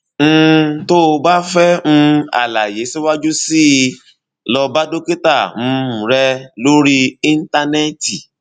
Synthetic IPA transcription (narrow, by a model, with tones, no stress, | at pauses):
ñ̩˦to˦˧ba˦fɛ˦ũ˦a̰˨la˨je˨˦si˦wa˦d͡ʒu˦si˦˧ | lɔ˧ba˦do˦ke˦ta˦˨mũ˦˧˦mũ˨ɾɛ˧lo˦ɾi˦i˦n̩˦ta˧nɛ˦ti˨